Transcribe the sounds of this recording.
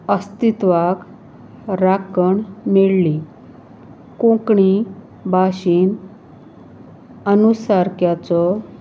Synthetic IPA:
əst̪it̪ʋak | ɾakəɳmeɭli | kõkɳi | bʱaɕiːn | ənusaɾkjat͡sɔ

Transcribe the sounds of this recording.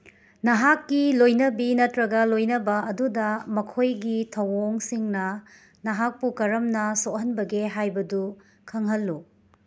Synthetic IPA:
nɐɦakːilojnɐbinɐtɾɐɡɐlojnɐbɐɐdudɐmɐkʰojɡitʰɐwoŋsiŋnɐ | nɐɦak̚pukɐɾɐmnɐsoʔhɐnbɐɡeɦajbɐdu | kʰɐŋɦɐlːu

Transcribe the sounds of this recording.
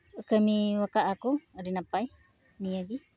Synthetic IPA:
kəmiwakaʔakuaɾinapaj | niaɡi

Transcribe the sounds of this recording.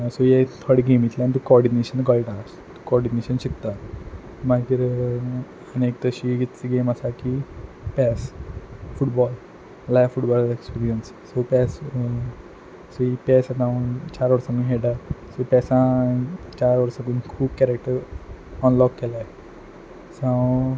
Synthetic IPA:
sojet̪ʰəɽiɡemit̪laanit̪ukɔɾɖineɕənɡɔlʈas | t̪u̥kɔɾɖineɕənɕikt̪a | maɡiɾ | ənek̚t̪əɕiːit͡siɡemasakipɛsfuʈbɔlː | lajfuʈbɔlekspiɾijənsːopɛs | sipɛsad̪ãnt͡ɕaɾʋəɾsaɡunɦeɽasopɛsãt͡ɕaɾʋəɾsaɡuːnkʰuːbkɛɾek̚ʈəɾɔnlɔkːelae | sã

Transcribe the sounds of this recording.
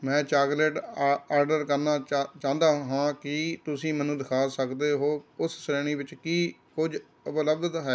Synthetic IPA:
mɛ̃ːt͡ʃaːɡleːʈaːɾɖəɾkəɾnaːt͡ʃãːnd̪aːɦãːkɪt̪ʊsĩːmənũːd̪ɪkʰaːsəkd̪eːɦoːʊsːɾeːɽ̃ĩːbɪt͡ʃkiːkʊd͡ʒ | ʊbləbd̪t̪ɦɛː

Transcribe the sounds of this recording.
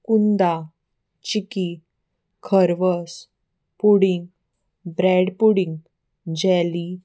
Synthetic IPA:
kund̪a | t͡ɕiki | kʰəɾʋəs | puɽiŋɡ | bɾɛɽpuɽĩŋɡ | d͡ʑɛli

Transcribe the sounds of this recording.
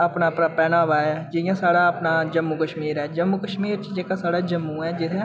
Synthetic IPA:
əpnaːpnaːpɛːnaːʋaːɦɛːd͡ʒɪjãːsaːɽaːəpnaːd͡ʒəmːukəʃmiːɾɦɛːd͡ʒəmːukəʃmiːɾt͡ʃd͡ʒeːkasaːɽaːd͡ʒəmːuːɦɛːd͡ʒɪɾẽ

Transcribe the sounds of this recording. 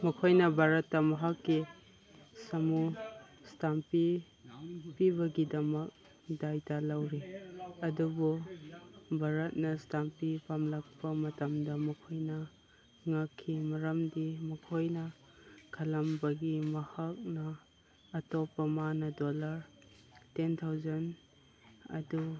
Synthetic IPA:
mɐkʰojnɐbʱaɾɐtːɐmɐɦakːi | sɐmustampi | pibɐɡidɐmɐk̚ | dajtalɐwɾiɐdubu | bʱaɾɐt̚nɐstampipʰamlɐk̚pɐmɐtɐmdɐmɐkʰojnɐ | ŋakʰːimɐɾɐmdimɐkʰojnɐ | kʰɐlɐmbɐɡimɐhak̚nɐː | topːɐmanɐdolɐɾ | tentʰawzɐn | ɐ̰du

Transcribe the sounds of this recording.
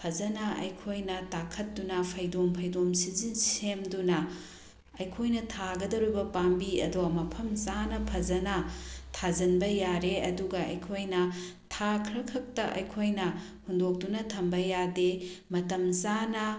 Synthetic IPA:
pʰɐzɐnɐɐ̰jkʰojnɐtakʰɐt̚dunɐpʰɐjdompʰɐjdomsizinsemdunɐ | ɐjkʰojnɐtʰaɡɐdɐɾujbɐpambiɐ̰domɐpʰɐmzanɐpʰɐd͡ʒɐnɐtʰad͡ʒɐnbɐjaɾeɐduɡɐɐ̰jkʰojnɐtʰakʰɾɐkʰɐk̚tɐʔɐ̰jkʰojnɐ | hundok̚tunɐtʰɐmbɐjademɐtɐmzanɐ

